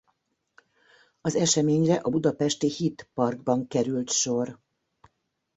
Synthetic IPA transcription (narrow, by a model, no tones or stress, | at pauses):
ɒzɛʃɛmeːɲrɛʔɒbud̪ɒpɛʃt̪ihit̪pɒrɡ̚bɒŋkɛɾylt̪ʃo̞r